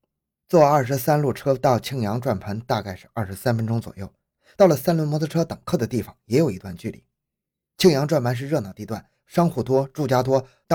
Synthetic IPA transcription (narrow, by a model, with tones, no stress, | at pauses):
t͡swɔ˥˩ɐ˞˥˩ʂ̬ɻ̩˧˥sa˥nlu˥˩ʈ͡ʂʰɤ˥t̪ɑ˥˩ʊt͡ɕʰi˥ŋjɑ˧˥ŋʈ͡ʂwa˥˩npʰə˧˥nt̪a˥˧ka˥˧ɪʂɻ̩˥˧ɐ̰˥˩ʂ̩˧˥sa˥nfə˥nʈ͡ʂʊ˥ŋt͡swɔ̰˨˩jo˥˩ʊ | t̪ɑ˥˩ʊlə˩sa˥nlu˥˩mɔ˧˥t͡sʰʈ͡ʂʰɤ˥t̪ɤ˨˩ŋkʰɤ˥˩d̪ə˩t̪i˥˩fɑ˨˩ŋjɛ˧˥jo˨˩ʊi˧˥t̪wa˥˧nt͡ɕy˥˩lḭ˨˩ | t͡ɕʰi˥˩ŋjɑ˧˥ŋʈ͡ʂwa˥˩npʰa˧˥nʂɻ̩˥˧ɻɤ˥˧nɑ˨˩ʊt̪i˧˥t̪wa˥˩n | ʂɑ˥ŋxu˥˩t̪wɔ˥ʈ͡ʂu˥˩t͡ɕja˥t̪wɔ˥ | t̪ɑ˥˧